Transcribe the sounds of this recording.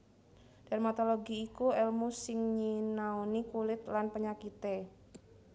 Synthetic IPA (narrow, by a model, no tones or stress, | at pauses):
d̥armat̪oloɡiːkuɛlmusɪŋɲinaunikulɪt̪lanpəɲakit̪e